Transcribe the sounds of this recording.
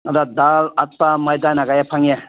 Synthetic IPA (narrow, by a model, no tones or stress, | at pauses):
adad̪alat̪̚pamajd̪anaɡajapʰaŋja